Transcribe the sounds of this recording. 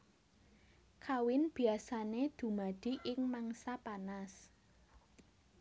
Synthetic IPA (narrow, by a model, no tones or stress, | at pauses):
kʰawɪnb̥i̤asaned̪̥ṳmad̪̥i̤ʔɪŋmaŋsapanas